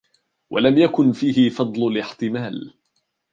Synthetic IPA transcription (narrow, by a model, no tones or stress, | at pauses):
wʔa̰lamjakʊnfiːɦɪfɑd̪ˤlʊlɪħt̪ɪmaːl